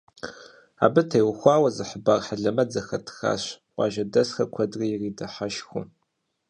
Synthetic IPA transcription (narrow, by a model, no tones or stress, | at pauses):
a̰ːbɨtʰejwʊxʷɑːwɐzɨħəbaːrħaɮɐmɐd͡zɐxɐtʰxa̰ːɕʷ | ɑ̰ːʒɐdɐsxɐkʷʰɐdrijɪriːdɐħaʃxʷʊ̰